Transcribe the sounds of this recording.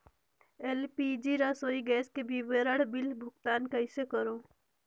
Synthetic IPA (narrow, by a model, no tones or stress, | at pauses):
elpid͡ʒiɾasoːiɡɛːskebiʋeɾəɽbɪlbʱʊkt̪aːnkəɪsekəɾoː